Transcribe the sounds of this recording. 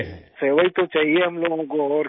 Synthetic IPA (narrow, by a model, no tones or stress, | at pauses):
seːʋait̪ot͡ʃaːɦieɦɐmloːɡõkoɔːɾ